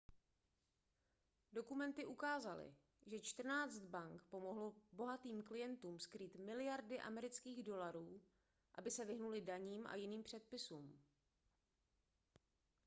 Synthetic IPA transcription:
do̞kumɛnt̪ɪʔukaːzalɪ̰ | ʒɛt͡ʃt̪r̩naːt͡st̪baŋkpo̞mo̞ɦlobo̞ɦat̪iːmklɪjɛnt̪uːmskɾiːt̪mɪlɪjaɾdɪʔa̰mɛɾɪt͡skiːɣdo̞laɾuː | ʔa̰bɪsɛvɪɦnulɪdaɲiːmʔa̰jɪniːmpr̥ɛt̪̚pɪsuːm

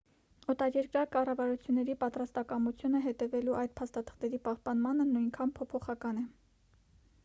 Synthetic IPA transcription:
ɔt̪ɑɾjɛɾkɾɑkɑrɑvɑɾut͡sʰjunːɛɾipɑt̪ɾɑst̪ɑkɑmut͡sʰjunəɦɛt̪ɛvɛluʔɑjd̪̚pʰɑst̪ɑt̪ʰə̥χt̪ɛɾipɑhpɑnmɑnənujŋkʰɑnpʰɔpʰɔχɑkɑnɛ

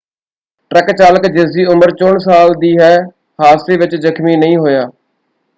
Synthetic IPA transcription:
ʈɾəkt͡ʃaːləkd͡ʒɪsiːʊməɾt͡ʃʊɳsaːld̪iːɦɛː | haːseːʋɪt͡ʃzəkʰmiːnəĩːɦoːjaː

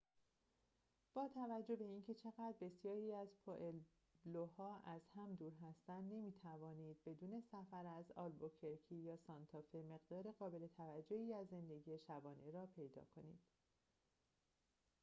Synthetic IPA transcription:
b̥ɒːt̪ʰævæd͡ʒːo̞hbe̞iːncʰe̞t͡ʃʰe̞ɣæd̪ɾbe̞sjɒːɾiːæzpʰoʔel | lohɒːʔæz̥hæmd̪uːɾɦæst̪ænd̪ne̞miːt̪ʰævɒːniːd̪̚be̞d̪uːne̞sæfæɾæzɒ̰ːlbocʰeɾcʰijɒːsɒnt̪ʰɒfe̞me̞ɣd̪ɒːɾeɣɒːbe̞le̞t̪ʰævæd͡ʒːo̞hiːæzːe̞nd̪e̞ɟiːje̞ʃæbɒːne̞ɾɒːpʰe̞jd̪ɒ̰ːkʰo̞nḭːd̪̥

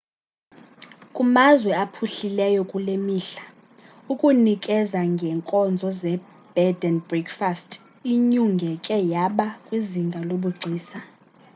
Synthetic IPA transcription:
kʼumazwɛapʰuɬilɛjɔkʼulemiːɬḁ | ukʼunikʼɛzaŋɡʱɛŋkʼɔnd͡zʱɔzɛ | b̥ɛdɛnbrɛkfastʰʼ | iɲuŋɡʱɛkʼɛjaɓakʼwiziŋɡʱaloɓuɡ͡ǀʱiːsa

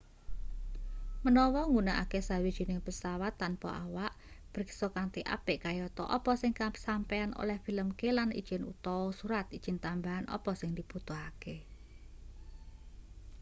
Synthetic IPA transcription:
mənɔwɔŋɡunaʔa̰kesawid̥ʒ̥i̤nɪŋpəsawat̪ːanpɔ̰awaʔ | b̥ɾiksɔkant̪iʔa̰pɪʔkajɔt̪ɔ̰ʔɔ̰pɔsɪŋkasampɛano̰lɛhfi̤ləmkelanḭd̥ʒ̥ɪnṵt̪ɔwɔsuɾat̪id̥ʒ̥ɪnt̪ambaɦanɔ̰pɔsɪŋd̪̥ib̥ut̪uɦake

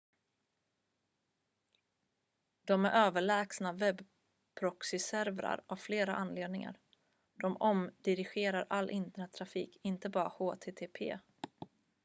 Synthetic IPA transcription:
d̪̥ɔmæɾʔøːvəɭɛːksnavɛb | pʰɾɔksɪsæɾvɾa̰ɾavfleːɾaʔanːleːd̪nɪŋa̰ɾ | d̪̥ɔmɔmd̪ɪɾɪɧeːɾaɾʔalːʔɪnt̪əɳɛt̪ʰːɾafiːkʰɪnt̪əbɑːɾahoːt̪ʰeːt̪ʰeːpʰḛː

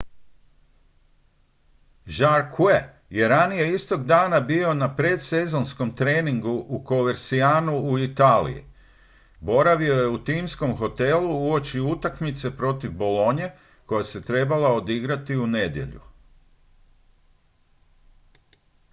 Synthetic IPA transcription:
ʒaɾkʰue | je̞ɾanije̞ist̪o̞ɡd̪aːnabio̞napɾe̞ːd̪se̞zo̞nsko̞mt̪ɾe̞ːniŋɡuʔuko̞ʋe̞ɾsiaːnuuit̪alḭjḭ | bo̞ɾaʋio̞je̞ut̪imsko̞mxo̞t̪e̞luuo̞t͡ʃiut̪akmit̪se̞pɾo̞t̪ivbo̞lo̞ɲe̞ | ko̞jase̞t̪ɾe̞balao̞d̪iɡɾat̪iune̞d̪je̞̰ʎṵ

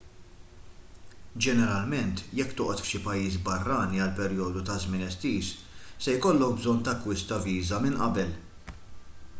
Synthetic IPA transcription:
d͡ʒɛnɛɾɐlmɛnt̪jɛkːt̪ʊːʔɔt̪fʃɪpɐjːiːs̬bɐrːɐːniɐlpɛɾjɔːd̪ut̪ɐzmɪnɛst̪iːs | sɛjkɔlːɔk̚bzɔnːt̪ɐkwɪst̪ɐviːzɐmɪnʔɐ̰bɛl

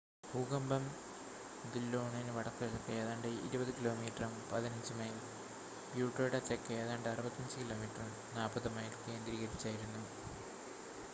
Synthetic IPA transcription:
bʱuːɣɐmbɐm | d̪ilːoːɳɐnɨʋɐɽɐkːueðokːɐeːðaːɳɖɨḭɾubɐðɨkilo̞ːmiːʈrɐmpɐðinɐɲd͡ʑɨmɐjil | bjuːʈːo̞ːɽɐt͡ɕːekːɐeːðaːɳɖɨɐrubɐt̪ːɐɲd͡ʑɨkilo̞ːmiʈrɐm | naːlpɐðɨmɐjilkeːnd̪ɾiːɣɐɾpi̥t͡ɕːaːjiɾunːu

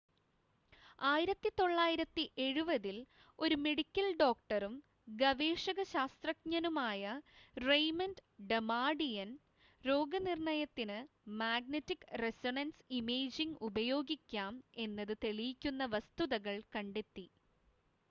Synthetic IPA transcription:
aːjiɾɐt̪ːit̪o̞ɭːaːjiɾɐt̪ːiʔe̞ɻubɐðil | o̞ɾume̞ɽikʲːɐlɖo̞ːk̚ʈɐrum | ɡɐʋeːʂɐɣɐɕaːst̪rɐk̚ɲɐnumaːjɐrejmɐndɖemaːɖijɐn | ɾo̞ːɡɐnirɳɐjɐt̪ːinɨ | maːɡ̚nɐtːikresoɳɐnsimeːd͡ʑiŋɡubɐjo̞ːɡikʲːaːme̞nːɐðɨt̪eɭijikʲːunːɐʋɐst̪uðɐɣɐɭkɐɳɖet̪ːi

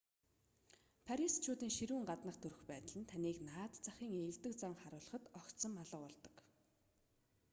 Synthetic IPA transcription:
pʰaɾist͡ɕʰʊːt̪iːŋʃiɾuːŋɢat̪nə̆χt̪ʰɵɾɵ̆xpæːt̪ə̆ɮə̆nt̪ʰaniːknaːt̪t͡saχʲiːŋeɮt̪ɘ̆k̚t͡saŋχaɾʊːɮə̆χə̆t̪ɔkt̪sɞ̆maɮə̆qɔɮt̪ɞ̥̆k

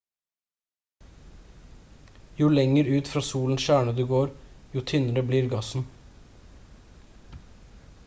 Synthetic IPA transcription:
juːlɛŋəɾʉːt̪fɾɑːsuːln̩ʃæːɳəd̪ʉːɡoːɾjuːt̪ʰʏnəɾəbliːɾɡɑsn̩

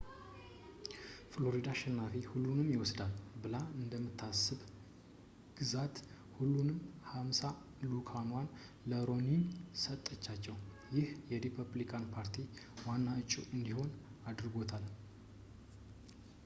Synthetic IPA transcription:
flo̞ɾid̪aʃɪnːafehulːunɨmjɪwɔsd̪albɨlaɨnd̪əmːɨt̪ʰːasːɨb | ɡ̥ɨzat̪ | hulːunɨmhamsa | lukʰanwan | ləɾo̞ninsət̪ʼːət͡ʃːat͡ʃːɛw | jɪhjɛɾipʰəblikʰanpʰaɾt̪ʰiwanːaɨt͡ʃʼːuʔɨnd̪iho̞nad̪ɾɡo̞t̪ʰal

